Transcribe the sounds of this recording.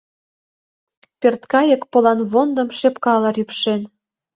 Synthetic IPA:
pert̪kɑjə̆kpolɑnβond̪ə̆mʃepkɑlɑɾypʃen

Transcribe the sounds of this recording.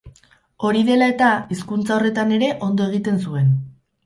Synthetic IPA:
o̞ɾiðe̞lae̞t̪aiskunt͡sao̞re̞t̪ane̞ɾe̞ʔo̞nd̪oe̞ɣ̞it̪e̞nsue̞n

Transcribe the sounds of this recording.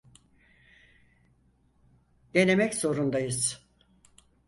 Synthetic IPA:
d̪enemɛcso̞ɾund̪ajɯz̥

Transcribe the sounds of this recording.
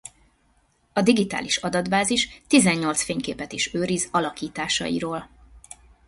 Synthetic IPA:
ɒd̪iɡit̪a̰ːliʃɒd̪ɒd̪baːziʃt̪izɛɲːo̞lt̪sfeːɲkeːpɛt̪iʃøːɾizɒlɒkiːt̪aːʃɒ̰jḭɾoːl

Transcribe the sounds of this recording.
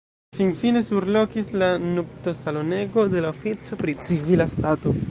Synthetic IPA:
finfine̞suɾlo̞kislanukto̞salo̞ne̞ɡo̞de̞laofit͡so̞pɾit͡sivilastato̞

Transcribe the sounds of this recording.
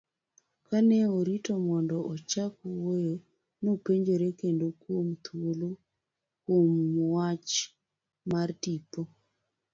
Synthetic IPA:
kanɛoɾitɔmɔndɔʔɔt͡ʃakuwojo | nopeɲd͡ʒoɾekendokom̩t̪ʰuolo | kwomːwat͡ʃ | mardipɔ

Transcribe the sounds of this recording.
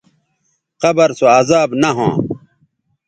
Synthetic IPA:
qɐbɐɾsoaːzaːbnɐɦõ̰ː

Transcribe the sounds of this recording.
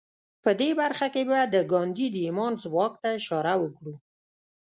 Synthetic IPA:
pəd̪ebaɾxakebad̪əɡɑnd̪id̪əimɑnzwɑk̚t̪aɪʃɑɾawəkɽu

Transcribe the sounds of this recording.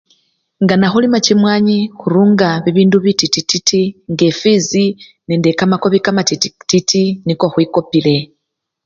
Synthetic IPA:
ŋɡanaxulimacimwaːɲixuɾuːŋɡaβiβiːnduβititititiŋɡefizinendekamako̞βikamatititiniko̞xwiko̞pile̞

